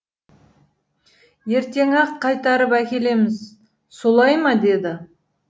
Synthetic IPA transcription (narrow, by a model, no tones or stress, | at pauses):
je̞ɾt̪e̞ŋɑqt̪̚qʰɑjt̪ɑɾəpækʲe̞le̞mɪz | so̞lˠɑjmɑd̪e̞d̪ɪ